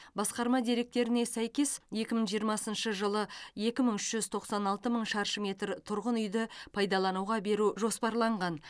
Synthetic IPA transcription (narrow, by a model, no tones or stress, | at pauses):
bɑsqɑɾmɑd̪e̞ɾe̞k̚t̪e̞ɾɪne̞sæjkʲe̞sje̞kʲɪməɴʒijəɾmɑsənʃəʒəlˠəje̞kʲɪməɴʏʃʒ̥ʏzt̪ʰo̞qsɑnɑlˠt̪əməɴʃɑɾʃəmʲe̞t̪ɾt̪ʰʊɾʁənʏjd̪ɪpʰɑjd̪ɑlˠɑnuʁɑbe̞ɾuʒo̞spɑɾlˠɑɴʁɑn